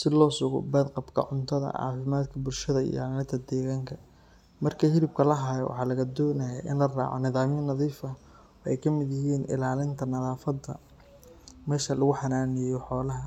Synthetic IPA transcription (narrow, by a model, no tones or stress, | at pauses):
sɪlɔːsʊɣɔ̰bɐd̪qɑbkʰɐ̰ʕʊnt̪ʰɐðɐ̰ʕɑ̰ːfɪmaːd̪kʰɐbʊlʃɐðɐḭjɑmnɐt̪ʰɐd̪ɛːɣaːŋkʰɐ | mɐrkʰɐɦɪɾɪb̚kʰɐlɐɦaːjɔ̰wɑ̰ħɑːlɐɣɐd̪ɔːnɐjaʔɪ̰nlɐra̰ːʕɔ̰nɪðaːmjɐnɐðiːfɐ | ɛjkʰɐmɪd̪jɪɦiːnʔɪ̰laːlɪnt̪ʰɐnɐðaːfɐd̪ɐ̰ | mɛːʃɐlɐɣʊħɑnaːnɪjjɔħɔːlɐɦɐ